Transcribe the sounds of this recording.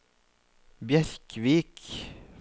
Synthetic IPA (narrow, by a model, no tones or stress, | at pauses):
bjæɾkʋiːk